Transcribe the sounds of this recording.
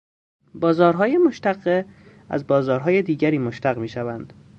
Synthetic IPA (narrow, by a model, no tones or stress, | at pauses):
bɒːzɒːɾɦɒːjemoʃt̪æɢe | æ̰zbɒːzɒːɾɦɒːjed̪iːɡɟæɾiːmoʃt̪æɣmiːʃævænd̪̥